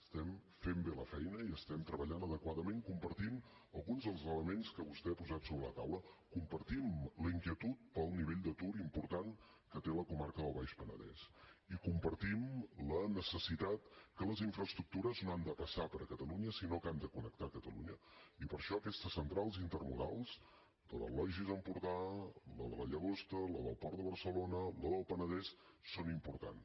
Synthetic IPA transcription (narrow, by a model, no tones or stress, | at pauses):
əst̪ɛmfembeləfɛjnəiəst̪ɛmt̪ɾəβəʎanəðəkwaðəmeŋkumpəɾt̪im | əlˠɣunzðəlˠzələmenskəβust̪ɛapuzat̪soβɾə̰lə̰t̪awləkumpəɾt̪imləiŋkiət̪ut̪̚pəlˠniβeʎd̪ət̪uɾimpuɾt̪aŋ | kət̪eləkumarkəðəlˠβajʃpənə̰ðɛ̰sikumpəɾt̪imlənəsəsit̪at̪kələziɱfɾəst̪ɾuk̚t̪uɾəznoand̪əpəsapəɾəkət̪əluɲəsinokand̪əkunək̚t̪akət̪əlṵɲə̰ipəɾʃɔkɛst̪əsːənt̪ɾalˠzint̪ərmuɾa̰lˠz | d̪əðə̰lɔʒizəmpuɾt̪aləðələʎəɣ̞ost̪ələðə̰lˠpɔɾt̪əβəɾsəlonələðəlˠpənəðɛs | sonimpuɾt̪a̰n